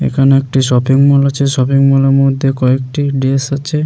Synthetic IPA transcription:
ḛkʰaneek̚ʈiʃɔpiŋmɔlat͡ɕʰeʃɔpiŋmɔleɾmod̪ʱːekɔek̚ʈiɖesat͡ɕʰe

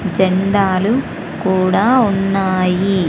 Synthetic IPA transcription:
d͡ʒɐɳɖaːlu | kuːɽaːunːaːji

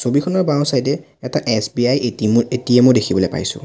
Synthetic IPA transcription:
sobikʰɔnɔɹbãw̃sajdɛ | ɛtaʔɛsbiajeimetijɛmojdekʰibɔlojpa̰jsʊ̰̃

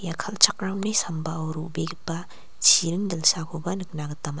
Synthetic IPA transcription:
jakʰɐlt͡ʃʰak̚ɾawnisambaowɾubeɡipːa | t͡ʃʰiɾɯŋdɐlsakʰubɐnɯk̚naɡɯtama

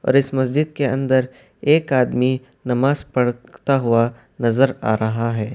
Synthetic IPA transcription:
ɔ̰ːɾɪsmɐs̬d͡ʒɪd̪̚keɐ̰̃nd̪əɾ | eːkaːd̪mi | nɐmaːzpɐɽt̪aɦua | nɐzəɾa̰ːɾɐɦaɦɛː

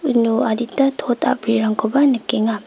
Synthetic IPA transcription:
nuaditatʰota̰bɾiɾaŋkʰobanɯkeŋa

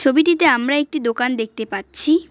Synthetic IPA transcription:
t͡ɕʰobiʈit̪eamɾaek̚ʈid̪okand̪ek̚ʰt̪epaɾːɕʰi

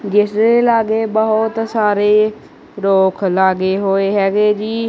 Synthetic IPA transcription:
d͡ʒɪsɾeːlaːɡeːbəɦʊt̪saːɾeː | ɾoːkʰlaːɡeːɦoːeːɦɛːɡeːd͡ʒiː

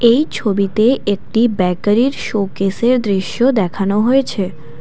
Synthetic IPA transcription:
ejt͡ɕʰobit̪eʔek̚ʈibɛkaɾiɾʃokeseɾd̪ɾiʃjod̪ɛkʰanoɦojet͡ɕʰe

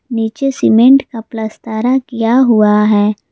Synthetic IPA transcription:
niːt͡ʃesɪmẽɳʈkaplɐst̪aːɾakijaɦuaɦɛː

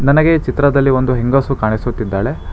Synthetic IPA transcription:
nɐnɐɡe̞t͡ʃit̪ɾɐd̪ɐlːio̞nd̪uɦeŋɡɐsukaːɳisut̪ːid̪ːaːɭe

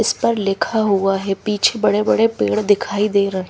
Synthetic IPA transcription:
ɪspɐɾlɪkʰaɦuaɦɛpiːt͡ʃʰebɐɽebɐɽepḛːɽd̪ɪkʰaːid̪eːɾɐɦẽ

